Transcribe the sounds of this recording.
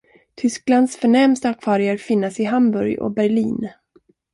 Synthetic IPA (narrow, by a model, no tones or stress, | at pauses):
t̪ʰʏskland̪sfœɳɛmst̪akʰvɑːɾɪaɾfɪnːasɪɦambɵɾjɔ̰bæɾɭiːn